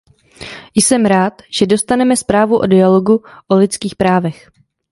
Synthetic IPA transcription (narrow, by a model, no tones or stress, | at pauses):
jsɛmɾaːt̪ʒ̥ɛdo̞st̪anɛmɛspɾaːvuʔo̰dɪalo̞ɡuʔolɪt͡skiːxpɾaːvɛx